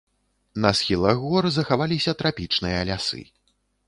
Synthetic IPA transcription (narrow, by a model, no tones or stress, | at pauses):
nɐsxʲilˠɐɣɣɔrzɐxavalʲisʲɐt̪ɾapʲit͡ʂnɨjɐːlʲasɨ̰